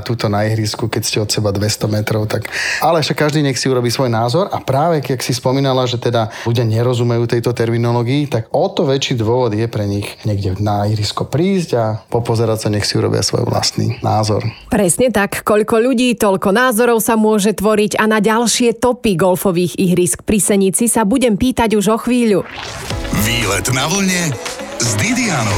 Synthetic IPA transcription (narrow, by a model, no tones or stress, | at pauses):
t̪uːt̪ɔnaiɦɾiskukɛcscɛɔt̪sɛbad̪ʋɛst̪ɔmɛt̪ɾɔʊt̪akalɛʃakːaʒd̪iːɲɛxsiuɾɔbiːsʋɔjnaːzɔɾapɾaːʋɛaksispɔmiːnalaʒɛt̪ɛd̪aluɟɪaɲɛɾɔzumɛjuːt̪ɛjt̪ɔt̪ɛɾminɔlɔːɡiːt̪aɡɔt̪ɔʋɛt͡ʃiːd̪ʋɔʋɔd̪jɛpɾɛɲixɲɛɡɟɛnaiɦɾiskɔpɾiːzɟapɔpɔzɛɾacsaɲɛxsiuɾɔ̰bɪ̰a̰sʋɔ̰jʋla̰st̪nḭnaːzɔ̰ɾpɾɛsɲɛt̪akːɔʎkɔʎuɟiːt̪ɔʎkɔnaːzɔɾɔʊsamʊɔʒɛt̪ʋɔɾiɟanaɟalʃɪɛt̪ɔpiɡɔlfɔʋiːɣiɦɾisk̚pɾisɛɲit͡sisabuɟɛmpiːt̪aɟuʒɔxʋiːʎu | ʋiːlɛt̪naʋl̩ɲɛzd̪id̪ianɔ